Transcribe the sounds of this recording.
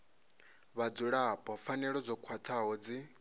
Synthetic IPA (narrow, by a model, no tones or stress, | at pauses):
βad͡zuɺapʼɔfanɛɺɔd͡zɔkʰwat̪ʰaɦɔd͡zi